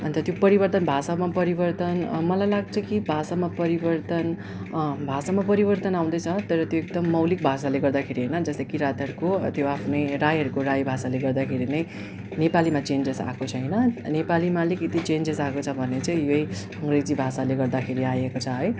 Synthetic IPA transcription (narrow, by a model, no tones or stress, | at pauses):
ʌnt̪ʌt̪jopʌɾibʌrt̪ʌnbʱasamapʌɾibʌrt̪ʌnmʌlajlaɡt͡sʰʌkibʱasamapʌɾibʌrt̪ʌn | bʱasamapʌɾibʌrt̪ʌnaw̃d̪ʌjt͡sʰʌt̪ʌɾʌt̪joek̚d̪ʌmːʌwlik̚bʱasaleɡʌrd̪akʰeɾiɦʌjnʌd͡zʌst̪ʌjkiɾat̪ɦʌɾukot̪joapʰnʌjɾajɦʌɾukoɾajbʱasaleɡʌrd̪akʰeɾinʌj | nepalimat͡send͡zesa̰kot͡sʰʌɦjnʌnepalimaliket̪it͡send͡zesakot͡sʰʌbʱʌnet͡sʌj̃jʌj | ʌŋɡred͡zibʱasaleɡʌrd̪akʰeɾiajekot͡sʰʌɦʌj